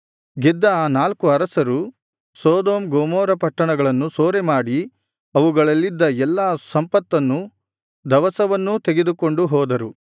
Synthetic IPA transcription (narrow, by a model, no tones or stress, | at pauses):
ɡɛd̪ːɐːnaːlkuɐɾɐsɐɾu | sɔːd̪oːmɡoːmɔːɾɐpɐʈːɐɳɐɡɐɭɐnːusoːɾemaːɽi | ɐʋuɡɐɭɐlːid̪ːɐɛlːaːsɐmpɐt̪ːɐnːu | d̪ɐʋɐsɐʋɐnːut̪e̞ɡed̪uko̞ɳɖuɦɔːd̪ɐɾu